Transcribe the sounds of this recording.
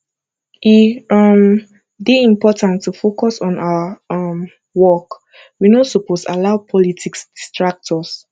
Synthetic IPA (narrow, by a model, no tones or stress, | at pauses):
ʔiʌm | deĩmpɔtãntʰːufokɔsɔ̃naəm | wɔk | winosuposalaʊpʰɔlitʰiksdistɹak̚tʰɔs